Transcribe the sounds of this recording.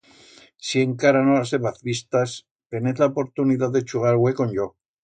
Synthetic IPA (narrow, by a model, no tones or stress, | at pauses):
sieŋkaɾanoaseβaθβist̪as | t̪eneθlaopo̞ɾt̪uniðaððet͡ʃuɣaɾwekonʎo